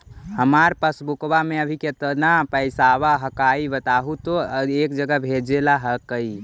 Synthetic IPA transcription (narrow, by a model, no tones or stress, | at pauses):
həmaɾpəsbukbameəbʱiket̪ənapəɪsaʋaɦəkaibət̪aɦut̪oeːkd͡ʒəɡəbʱed͡ʒelaɦəkəi